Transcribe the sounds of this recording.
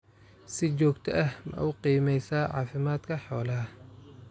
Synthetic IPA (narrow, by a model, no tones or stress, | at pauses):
sɪt͡ʃɔːɡt̪ʰɐʔɐhmɐ̰ʔʊqiːmɛjsaːʕɑ̰ːfɪmaːd̪kʰɐħɔːlɐɦɐ